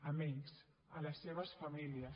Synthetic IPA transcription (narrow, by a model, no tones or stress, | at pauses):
əmiɲs | ələsːeβ̞əsfɐmiliə